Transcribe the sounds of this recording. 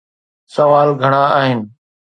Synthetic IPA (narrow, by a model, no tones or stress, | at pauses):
səʋaːlɡʱəɽ̃ãːaːɦɪnɪ̆